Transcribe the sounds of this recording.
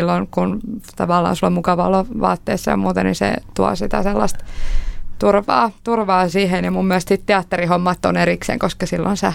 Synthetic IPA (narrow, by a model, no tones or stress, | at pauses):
lːonkunt̪ɑʋɑlːˑɑ̰ːnsulːommukɑʋɑoloʋɑ̰ːt̪ːḛːsːɑjɑ̰muːt̪ɑnḭsḛt̪uɑ̰sit̪æ̰selːɑst̪ | t̪urʋɑ̰ːt̪urʋɑːsiːhenemumːiælst̪sit̪t̪eɑt̪ːerihomːɑt̪ːoneriksḛːŋkoskɑsilːo̰nsæ